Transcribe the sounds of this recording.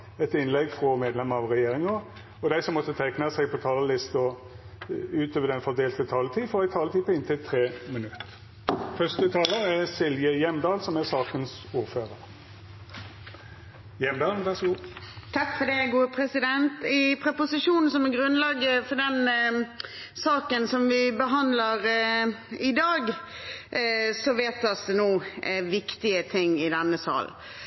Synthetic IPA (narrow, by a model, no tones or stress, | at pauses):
ɛt̪ɪnlɛɡfʁɔmeːd̪lɛmːəʁɑʋʁɛjeːɾʁɪŋə | ɔd̪æɪsɔmːɔt̪ːət̪ʰæknəsɛɡpʰɔt̪ʰɑːləlɪst̪ɔ | ʉːt̪ʰøːʋəd̪ɛnfɔʁd̪eːlt̪ət̪ʰɑːlət̪ʰiːfɔʁæɪt̪ʰɑːlət̪ʰiːpʰɔɪnt̪ʰɪlt̪ʰʁeːmɪnʉt̪ː | fœst̪ət̪ʰɑːləɾæsɪlʋjəjɛmd̪ɑːlsɔmæsɑːkənsuːɾføːʁəʁ | jɛmd̪ɑːln̩ʋæʁʂɔɡuːt̪ʰɑkfɔɖ̪ɛɡuːəpʰɾɛsɪd̪ɛnt̪ɪpʰɾɛpʊsɪʂuːnn̩sɔmɛɡɾʉnlɑɡəfɔɖɛn | sɑːkənsɔmʋɪbəɦɑnd̪ləɾ | ɪd̪ɑːɡ | sɔʋeːt̪̚ːɑt̪d̪ɛnuːʋɪkt̪ɪət̪ʰɪŋːɪd̪ɛnːəsɑ̰ːl